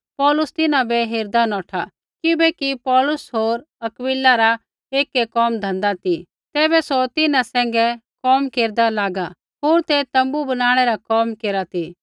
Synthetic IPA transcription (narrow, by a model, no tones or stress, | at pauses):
pɔːlʊst̪ɪnãbɛɦɪɾd̪anɔːʈʰa | kɪbɛkipɔːlʊsɦoːɾ | ɐkwɪlaɾa | eːkːɛkɔːmd̪ʱɐ̃nd̪at̪i | t̪ɛːbɛsot̪ɪnãsɛ̃ːŋɡɛkɔːmkeːɾd̪alaːɡa | ɦoːɾt̪ɛt̪ɐ̃mbubɐnaːɽ̃ɛɾakɔːmkeːɾat̪i